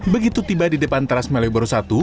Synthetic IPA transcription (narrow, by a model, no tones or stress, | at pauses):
bəɡit̪ut̪ibadidəpant̪əɾasmɛlebəɾusat̪u